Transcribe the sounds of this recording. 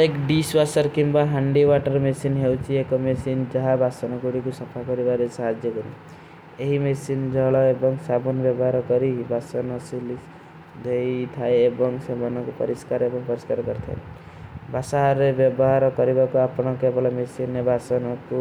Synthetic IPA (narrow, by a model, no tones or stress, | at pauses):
ekɖisbasɔɾkimbaɦaɳɖiwaʈɔɾmesinɦewt͡ʃʰiekɔmesind͡ʒɔɦabʱasɔnɔɡuɽikusɔpʰakɔɾibaɾesaɦad͡ʒjɔkɔnḭ | eɦimesind͡ʒɔɦɭɔebɔŋsabunbjɔbɔɦaɾɔkɔɾibʱasɔnɔsuli | d̪ʱejt̪ʰaeebɔŋsemanɔkupɔ̰ɾiskaɾebɔŋpɔɾiskaɾkɔɾit̪ʰa̰e | bʱasaɾebjɔbɔɦaɾɔkɔɾibakuapɔɽ̃ɔkebɔɭamesinːebʱasɔnɔku